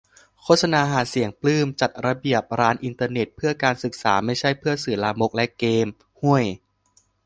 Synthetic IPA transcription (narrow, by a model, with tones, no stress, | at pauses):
kʰoː˥˩sa˧naː˧ɦaː˩˦si˨˩˦əŋplɯː˥˩mt͡ɕa˨˩t̪̚ɾa˧bi˨˩əp̚ɾaː˦˥nʔi˧nt̪ɤː˧ne˨˩t̪̚pʰɯ˥˩ɐkaː˧nsɯ˨˩k̚sa̰ː˩˦ma˥˩jt͡ɕʰa˥˩jpʰɯ˥˩ɐsɯ˨˩laː˧mo˦˥k̚lɛ˦˥ʔkeː˧m | hu˥˩əj